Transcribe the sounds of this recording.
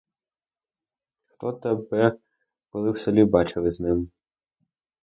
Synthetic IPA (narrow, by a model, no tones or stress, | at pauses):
xt̪ɔt̪ɛbɛ | kɔlˠɪwselʲibɑt͡ʃɪlɪznɪm